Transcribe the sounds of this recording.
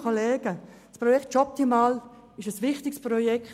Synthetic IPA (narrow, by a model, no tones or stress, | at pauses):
kʰoleːɡ̥ə | sprɔjɛktt͡ʃɔp̚timaːl | ɪʃəsʋɪχtɪksprɔjɛkt